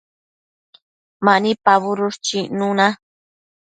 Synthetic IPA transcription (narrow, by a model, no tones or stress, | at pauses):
manipaβʊɾʊʂt͡ʃinʊna